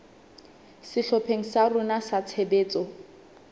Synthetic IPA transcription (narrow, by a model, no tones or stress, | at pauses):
sɪɬɔpʰeŋ̩sarʊnasat͡sʰebeːt͡sʼɔ